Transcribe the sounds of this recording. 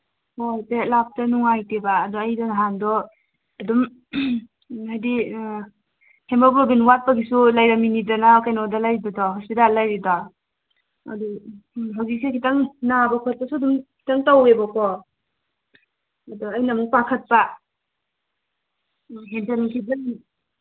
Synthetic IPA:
hojtelap̚tanuŋajtebaːdɔjdanɦandɔː | dum | hajdi | hembabɔbinwat̚paɡisulajɾaminidanakajnɔdalajɾibadɔɦɔspitalajɾidɔ | a̰duɦaɡisekʰitaŋnabakʰɔt̚pasudumkʰi̥taŋtawebakʰɔ | dɔajnamuŋpakʰɐt̚pa | ɦendankʰizani

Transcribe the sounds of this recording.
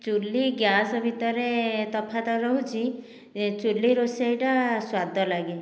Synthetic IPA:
t͡ʃulːiɡjasɔbʱit̪ɔɾet̪ɔpʰat̪ɔɾɔɦũt͡ʃʰi | t͡ʃulːiɾosajʈaswad̪ʱɔlaɡe

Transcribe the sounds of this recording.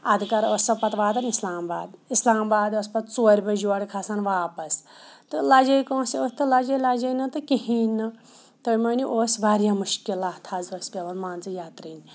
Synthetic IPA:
ɐd̪kɐɾoːsɐpɐt̪ʋaːd̪ɐnislaːmba̰ːd̪islaːmbaːd̪oːspɐt̪t͡soːɾʲbɐd͡ʒuɐɽʲkʰasanʋaːpɐst̪ɨlɐd͡ʒɐjkõːsioːst̪ɨlɐd͡ʒɐlɐd͡ʒɐjnɐt̪ɨkiɦiːnːɨ | t̪omɐːnʲiʔoːsbʱaːɾjamuʃkilaːt̪ʰɐzosbʲɐʋɐnmaːnt͡sɨjaːt̪ɾiːnʲ

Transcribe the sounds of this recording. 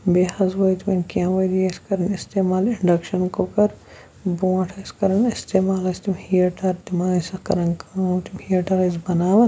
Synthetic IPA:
beːhɐzʋojt̪mɐnkjãːʋɐjd̪iɐskɐɾɐnɪst̪eːmaːlɪɳɖɐkʃɐnkokɐɾ | bõːʈʰɐskɐɾɐnɪst̪eːmaːlɐst̪imhijɐʈaɾd̪imaːsɐkɐ̰ɾɐnkat̪imhiɐʈɐɾizbɐnaːʋɐt̪

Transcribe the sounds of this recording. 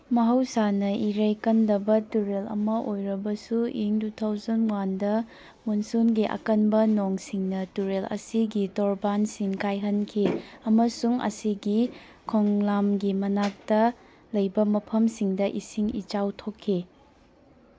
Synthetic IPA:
mɐɦɐwsanɐʔiɾɐjkɐndɐbɐtuɾelɐ̰mɐʔojɾɐbɐsuiŋdutʰawzɐnwandɐ | munsunɡiʔɐ̰kɐnbɐnoŋsiŋnɐtuɾelɐ̰siɡitoɾbansiŋkajɦɐnkʰiɐmɐsuŋɐ̰siɡi | kʰoŋlamɡimɐnak̚tɐ | lɐjbɐmɐpʰɐmsiŋdɐʔisiŋḭt͡ʃawtʰokʰːi

